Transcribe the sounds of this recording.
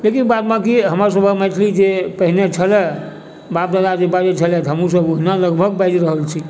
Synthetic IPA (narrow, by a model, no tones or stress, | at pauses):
lekinbat̪mãkiɦəms̬əbʱəməjt̪ʰlid͡ʒepəɦinet͡ʃʰəlɛ | bap̚d̪ad̪ad͡ʒebad͡ʒet͡ʃʰəlɛt̪ɦəmɾus̬əboɦinaləɡbʱəɡbajd͡ʒɾəɦəlt͡ʃʰi